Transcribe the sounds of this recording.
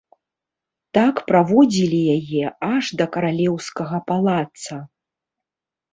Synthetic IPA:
t̪akpɾavɔd͡zʲilʲijajɛaʐd̪ɐkɐɾalʲɛwskɐɣɐpalˠat̪sɐ

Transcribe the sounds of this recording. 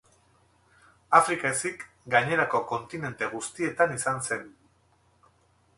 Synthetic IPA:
afɾikaesik | ɡaɲe̞ɾako̞ko̞nt̪ine̞nt̪e̞ɣ̞ust̪ie̞t̪anisanse̞n

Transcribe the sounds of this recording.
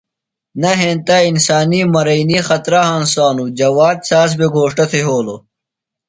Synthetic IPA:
nɐɦẽːnt̪ainsaːniːmɐɾɐiniːxɐt̪ɾaɦãnsaːnud͡ʑɐwaːd̪̚saːs̬beɡʱoːʂʈɐt̪ʰeɦoːlo

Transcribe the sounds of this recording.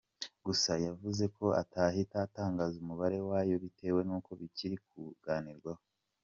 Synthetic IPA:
ɡusajavuze̞kʰo̞a̰taːɦitaːtaːŋɡazumuβaɾe̞waːjo̞βite̞ːwe̞nuːko̞βiciɾik̚uɡ̥aːniɾɡwaho

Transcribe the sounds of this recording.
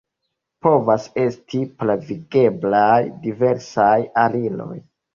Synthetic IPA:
po̞vase̞stʰiplaviɡe̞blajdive̞ɾsajalilo̞̰j

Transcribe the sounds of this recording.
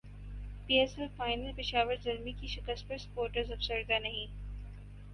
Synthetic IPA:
piːɛsɛlfaːɪnəlpɪʃaːʋəɾd͡ʒɐɾmikiʃɪkəst̪̚pɐɾspoːɾʈəɾzɐfsəɾd̪anɐɦĩ

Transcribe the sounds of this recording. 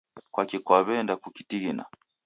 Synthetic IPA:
kwakikwaβɛndakukitiɡina̰

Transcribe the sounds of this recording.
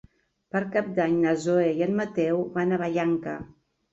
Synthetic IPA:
pəɾkap̚d̪aɲnəzoejənmət̪ɛwβanəβaʎaŋkə̰

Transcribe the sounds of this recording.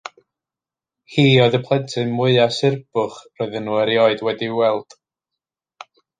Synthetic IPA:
hiːɔɨðəpʰlˠɛntʰɨmʊɨasɪrb̥ʊχrɔɨðənːuːəɾjɔɨdwɛdiwɛlˠd̥

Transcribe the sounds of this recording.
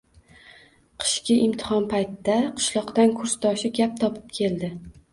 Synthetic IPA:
qʰɨ̥ʃkʲɪʔɪmt̪ʰɪ̥hɒnpʰajt̪ɪd̪aqʰɨ̥ʃlˠɒqt̪ankʰʊɾst̪ʰɒʃɪɡʲap̚t̪ʰɒpʰɪ̥p̚kʲʰe̞ld̪ɪ

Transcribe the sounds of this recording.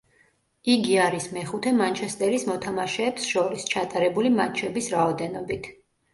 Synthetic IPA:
iɡiaɾismɛχut̪ʰɛmant͡ʃʰɛst̪ʼɛɾismɔt̪ʰamaʃɛːpsʃɔɾist͡ʃʰat̪ʼaɾɛbulimat͡ʃʰɛbisɾaɔd̪ɛnɔbit̪ʰ

